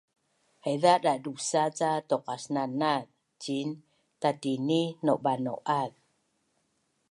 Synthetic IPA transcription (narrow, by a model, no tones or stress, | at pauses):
hajðaʔɗadusat͡sat̪okasnanað | t͡ɕin | t̪at̪ininoʔbano̰ʔʔað